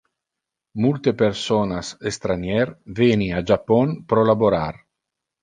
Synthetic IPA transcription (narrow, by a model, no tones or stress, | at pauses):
mult̪epersonasest̪ɾanjɛrveniad͡ʒapːɔnpɾɔlaboɾar